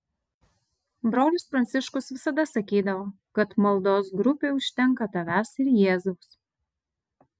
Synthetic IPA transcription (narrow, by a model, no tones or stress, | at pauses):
bɾoːlʲʊspɾɐnʲsʲɪʃkʊsʋʲɪsɐd̪ɐsɐkʲiːd̪ɐʋoː | kɐt̪mɐlˠd̪oːsɡɾʊpʲeːʊʃʲt̪ʲɛŋkɐt̪ɐʋʲæːsɪɾjeːzɐʊs